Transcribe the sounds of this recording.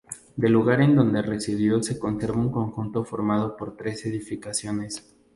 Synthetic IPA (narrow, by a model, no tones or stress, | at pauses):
d̪e̞luɣaɾe̞nd̪o̞nd̪e̞re̞siβiose̞ko̞nse̞ɾβauŋko̞ŋxunt̪o̞fo̞ɾmað̞o̞po̞ɾt̪ɾe̞se̞ðifikasjo̞ne̞s